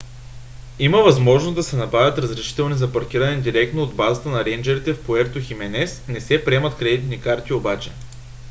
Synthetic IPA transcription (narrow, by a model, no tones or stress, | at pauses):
iməvɐzmɔʒnozd̪ɐsɛnɐpɾavʲət̪ɾəzɾɛʃi̥t̪ɛlˠnizɐpɐɾk̟ʲiɾənɛd̪iɾɛk̚t̪noːd̪bazət̪ənɐɾɛnd͡ʒɛɾit̪ɛfpoɛɾt̪oximɛnɛsnɛsɛpɾiɛmɐt̪kɾɛd̪it̪nikaɾt̪iobat͡ʃɛ̥